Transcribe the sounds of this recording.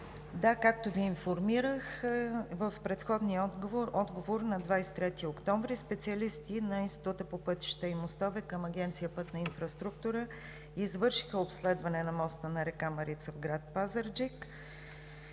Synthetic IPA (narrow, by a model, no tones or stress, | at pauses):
d̪akak̚t̪oviːnfoɾmiɾəxvəfpɾɛt̪xɔd̪niəɔd̪ɡovoɾnɐd̪vajsɛ̥t̪ɾɛt̪iokt̪ɔɱvɾispɛt̪siɐlist̪inɐinst̪i̥t̪ut̪əpopɤt̪i̥ʃt̪əimost̪ɔvɛkəmɐɡʲɛnt̪sijəpɤt̪nɐinfɾɐst̪ɾukt̪uɾə | izvɤɾʃi̥xəopslɛd̪vɐnɛnɐmɔst̪ənɐɾɛkamɐɾit̪səvɡɾat̪̚pazəɾd͡ʒik